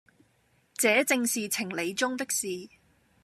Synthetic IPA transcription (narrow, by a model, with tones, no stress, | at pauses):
t͡sɛː˨˥t͡sɪ˧ŋsiː˨t͡sʰɪ˨˩ŋle˨˧jt͡sʊ˥ŋt̪ɪ˥k̚siː˨